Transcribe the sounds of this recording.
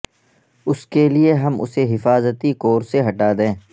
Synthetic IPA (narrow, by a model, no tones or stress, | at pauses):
ʊskelieɦɐmʊ̰seɦɪfaːzət̪ikoːɾseɦɐʈad̪ẽː